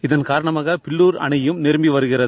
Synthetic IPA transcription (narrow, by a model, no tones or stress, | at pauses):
ɪðɐnkaːɾɐɳɐmaːɣɐpɪɭːuːɾɐ̰ɳɐjɯmnɪɾɯmbiʋɐɾɯɣɪrɐð